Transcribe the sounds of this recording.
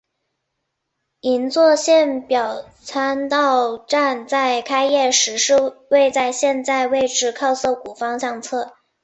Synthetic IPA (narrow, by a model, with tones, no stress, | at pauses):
i˧˥nt͡swɔ˥˧ɕjɛ˥˩npjɑ˨˩ʊ | t͡sʰa˥nt̪ɑ˥˧ʊʈ͡ʂa˥˧nt͡sa˥˧ɪkʰa˥ɪjɛ˥˩ʂɻ̩˧˥ʂɻ̩˥˧we˥˧ɪt͡sa˥˧ɪɕjɛ˥˧nt͡sa˥˧ɪwe˥˧ɪʈ͡ʂɻ̩˥˧kʰɑ˥˧ʊso˥˩ʊku˨˩fɑ˥ŋɕjɑ˥˧ŋt͡sʰɤ˥˩